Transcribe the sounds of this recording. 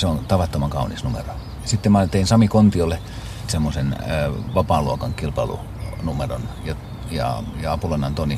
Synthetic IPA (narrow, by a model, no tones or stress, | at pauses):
seont̪ɑʋɑt̪ːomɑŋkɑunisnumḛro | jɑsit̪ːemɑnt̪einsɑmikont̪iolːe | semːosenʋɑpɑːluokɑŋkilpɑlṵ | numero̰njɑ | jɑ̰jɑɑpulonːɑnt̪oni